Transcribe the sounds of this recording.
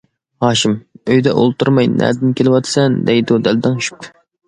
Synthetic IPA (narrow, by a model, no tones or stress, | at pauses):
hɑːʃimøjd̪ɛʔo̰lˠt̪uɾmɑjnæ̰d̪ɪnkʲʰelɪwɑt̪ʰɨ̥sɛnd̪ɛjd̪ud̪æld̪ɪŋʃy̥p̚t̪ʰʊ